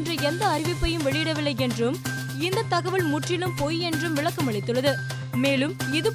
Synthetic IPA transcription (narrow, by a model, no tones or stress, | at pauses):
ndrɐɛnd̪ɐːɾɪʋɪpːɐjɯmʋɛɭɪjɪɽɐʋɪlːɐɪɛndrɯm | ɪnd̪ɐt̪ːɐɣɐʋɐɭmʊʈrɪnɯmpojɛndrɯmʋɪɭɐkːɐmɐɭɪt̪ːɯɭːɐðɯ | meːlɯmɪðɯ